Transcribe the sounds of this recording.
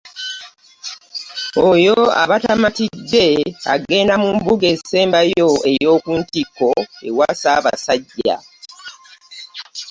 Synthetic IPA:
ojo̞a̰βatamatidːe̞a̰ɡe̞ːndamumbuɡe̞se̞ːmbajo̞e̞jjo̞ːkuntikːo̞ḛwasaːβa̰saɟːa̰

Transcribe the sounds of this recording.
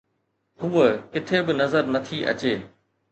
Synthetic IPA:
ɦuːəkɪt̪ʰebɪnɐzəɾnɐt̪ʰiʔɐ̰t͡ɕeː

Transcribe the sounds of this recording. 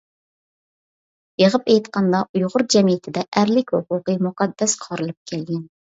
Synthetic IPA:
jeʁəpɛjt̪qɑnd̪ɑʔujʁʊɾd͡ʒɛmijɪt̪ʰɪd̪ɛʔæɾlɪkʲhoqʊqəmuqɑd̪ːɛsqʰɑɾɨlˠɨp̚kʲʰɛlɡʲɛn

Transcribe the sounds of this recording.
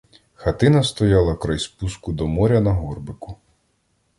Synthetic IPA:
xɐt̪ɪnɐst̪ɔjɑlˠɐkɾɐjspuskʊd̪ɔmɔɾʲɐnɐɦɔrbɪkʊ

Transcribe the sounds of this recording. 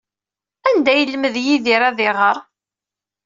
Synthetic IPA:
ænd̪æjəlːməðjiðiɾæðɪʁəɾˤ

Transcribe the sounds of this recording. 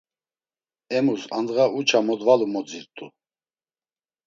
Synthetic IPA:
ɛmusand̪ɣaʔut͡ʃʰamɔd̪valumɔd͡ziɾt̪ʼu

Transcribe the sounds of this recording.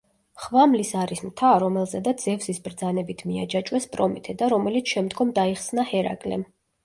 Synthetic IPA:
χvamlisaɾismt̪ʰaɾɔmɛlˠzɛd̪ad̪zɛvsisbɾd̪zanɛbit̪ʰmiad͡ʒat͡ʃʼwɛspʼɾɔmit̪ʰɛd̪aɾɔmɛlit̪sʰʃɛmd̪ɡɔmd̪aiχsnahɛɾa̰kʼlɛ̰m

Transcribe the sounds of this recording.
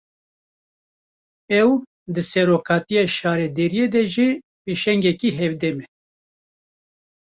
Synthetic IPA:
ɛw | d̪ɨsɛɾoːkʰɑːt̪ijɑːʃɑːɾɛd̪eɾijed̪ɛʒi | peʃɛŋɡɛkiːɦɛvd̪ɛmɛ

